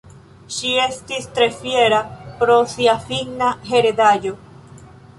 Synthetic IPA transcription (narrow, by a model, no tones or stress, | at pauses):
ʃiest̪ist̪ɾefjeɾapɾoθiafiɡnaɦeɾeðaʎo